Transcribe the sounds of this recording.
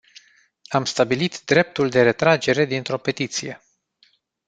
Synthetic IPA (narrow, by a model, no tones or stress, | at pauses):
amst̪abilit̪d̪ɾe̞p̚t̪uld̪e̞ɾe̞t̪ɾad͡ʒe̞ɾe̞d̪int̪ɾo̞pe̞t̪it̪sije̞